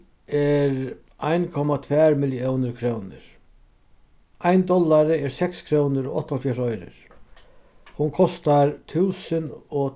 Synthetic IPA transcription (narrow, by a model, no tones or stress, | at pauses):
ɛɾ | ajnkʰɔmat̪ʰvɛːɾmɪljɔwnɪɾkʰɾoːwnɪ̰ɾ̥ | ajnd̪ɔlːaɾɪɛɾsɛkskʰɾoːwnɪɾɔɔ̰ht̪ːɔlfjɛɾɔjɾɪ̰ɾ̥ | hunkʰɔst̪aɾt̪ʰuwsɪnɔ